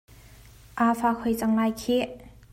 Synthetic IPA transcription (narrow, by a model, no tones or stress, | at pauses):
ʔafakʰojt͡saŋlajkʰi